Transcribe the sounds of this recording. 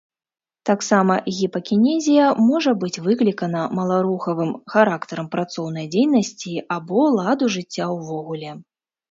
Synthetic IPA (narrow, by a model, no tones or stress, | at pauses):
t̪aksamɐɣʲipɐkʲinʲɛzʲijɐmɔʐɐbɨt͡sʲvɨklʲikɐnɐmɐlˠaɾuxɐvɨmxaɾakt̪ɐɾɐmpɾat̪sɔwnɐjd͡zʲejnɐsʲt͡sʲiabɔlˠad̪uʐɨt͡sʲːawvɔɣulʲɛ